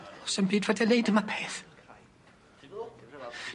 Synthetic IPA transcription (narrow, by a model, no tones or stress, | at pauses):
ɔsəmbiːdvadɛlejdəmapʰeːθ